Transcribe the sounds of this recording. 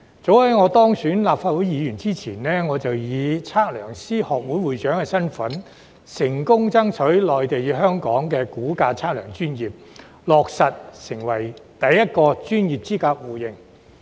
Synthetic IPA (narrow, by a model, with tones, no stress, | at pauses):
t͡so˨˥whɐ˨˥jŋɔː˨˧t̪ɔː˥ŋsyː˨˥nlaː˨p̚faː˧t̚wu˨˥jiː˨˧jyː˨˩nt͡siː˥t͡sʰiː˨˩nnɛː˥ŋɔː˨˧t͡sɐ˨wjiː˨˧t͡sʰaː˥t̚lœː˨˩ŋsiː˥hɔː˨˩k̚wu˨˥jwuː˨jt͡ʃœː˨˥ŋkɛː˧sɐ˥nfɐ˨˥n | sɪ˨˩ŋkʊ˥ŋt͡sɐ˥ŋt͡sʰɵ˨˥ɥlɔː˨jt̪e˨jjiː˨˧˥ɦœː˥ŋkɔː˨˥ŋkɛː˧kuː˨˥kaː˧t͡sʰaː˥k̚lœː˨˩ŋt͡ʃyː˥njiː˨p̚ | lɔː˨˩k̚sɐ˨t̚sɪ˨˩ŋwɐ˨˩jt̪ɐ˨jːɐ˥t̚kɔː˧t͡ʃyː˥njiː˨p̚t͡siː˥kaː˧k̚wuː˨˩jɪ˨ŋ